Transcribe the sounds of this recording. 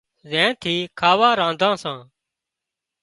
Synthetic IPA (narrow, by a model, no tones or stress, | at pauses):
zɛ̃ːt̪ʰiːkʰaːʋaːɾãːnd̪ʱãːsãː